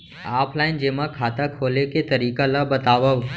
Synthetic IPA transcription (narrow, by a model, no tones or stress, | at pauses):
aːpʰlaːɪnd͡ʒemãkʰaːt̪akʰoːleket̪ɐɾiːkalabɐt̪aːʋə